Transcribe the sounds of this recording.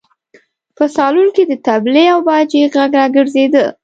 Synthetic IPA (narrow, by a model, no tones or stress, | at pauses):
pəsɑlunked̪ət̪ableawbɑd͡ʒeɣaɡɾɑɡəɾzed̪ə